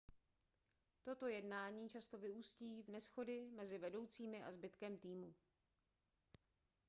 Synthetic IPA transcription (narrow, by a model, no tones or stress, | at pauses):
t̪o̞t̪o̞jɛdnaːɲiːt͡ʃast̪o̞vɪuːsciːvnɛsxo̞dɪmɛzɪvɛdo̞wt͡siːmɪʔazbɪt̪kɛmt̪iːmu